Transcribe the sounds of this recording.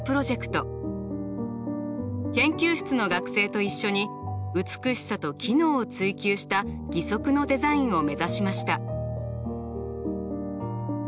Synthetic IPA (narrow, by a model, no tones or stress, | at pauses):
pɯɾo̞ʑe̞kɯ̟̥t̪o̞ | kẽ̞ŋkʲɨːɕɨ̥t͡sɨno̞ɡakɯ̟̥se̞ːt̪o̞iɕːo̞ɲ̟iɯ̟t͡sɨ̥kɯ̟ɕi̥sat̪o̞kʲʰino̞ːt͡sɨikʲɨːɕi̥t̪aɡ̥ʲiso̞kɯ̟no̞d̪e̞zaĩɰ̃o̞me̞zaɕimaɕi̥t̪a